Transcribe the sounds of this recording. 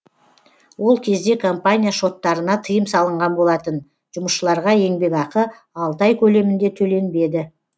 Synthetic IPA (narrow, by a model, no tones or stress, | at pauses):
wo̞lˠkʲʰe̞zd̪e̞kʰompanʲijaʃo̞t̪ːɑɾənɑt̪ʰəjəmsɑlˠəɴʁɑnbo̞lˠɑt̪ən | ʒ̥ʊməʃʃəlˠɑɾʁɑje̞ŋbe̞kɑqə | ɑlˠt̪ɑjkʲʰɵle̞mɪnd̪e̞t̪ʰɵle̞nbe̞d̪ɪ